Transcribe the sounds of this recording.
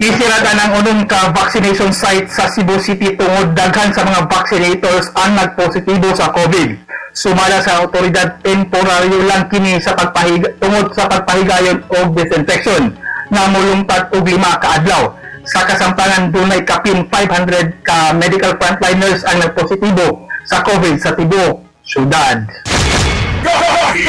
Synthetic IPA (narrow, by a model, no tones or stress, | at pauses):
ʔɪsɪɾat̪anɐŋʊnoŋkɐvaksɪnɛjʃonsajt̪̚sɐsibosit̪it̪ʊŋod̪̚ːɐɡhansɐmɐŋavaksɪnɛjt̪oɹsʔɐŋnɐɡ̚posɪt̪ibo̞sɐkovɪd̪̚sʊmaːlasɐʔɐwt̪o̞ɾɪd̪ad̪̚p̪ɛmpoɾaɾjolɐŋkɪnisɐpɐɡ̚pɐhɪɡt̪ʊŋod̪̚sɐpɐɡ̚pɐhɪɡaːjonoɡ̚d̪ɛsɪnfɛkʃonːɐmʊlʊŋp̪ad̪̚oɡlɪmakɐʔad̪lawsɐkɐsɐmt̪anand̪unɐjkɐpɪnfajbhand̪ɾɛd̪̚kɐmɛd̪ɪkɐlfɾɐnt̪lajnɛɹsɐŋnɐɡ̚posɪt̪iːbosɐkovɪd̪̚sɐt̪ɪbo | sjʊd̪ad̪̚